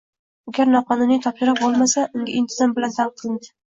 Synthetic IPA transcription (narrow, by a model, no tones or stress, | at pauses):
aɡʲaɾnɒqʰɒnʊnit̪ʰɒpʃɪɾap̚bolˠmasaʔʊŋɡʲaɪnt̪ʰɪzambɪlant̪ʰanqʰɨlˠɪnd̪ɪ̥